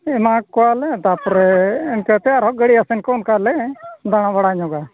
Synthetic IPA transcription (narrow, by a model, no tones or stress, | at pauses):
ɛmãkɔalɛt̪apɾɪnkɛt̪ɛjaɾɦɔɡɛɽiasɪnkɔnkalɛd̪aɽ̃ãʋaɽaɲɔɡa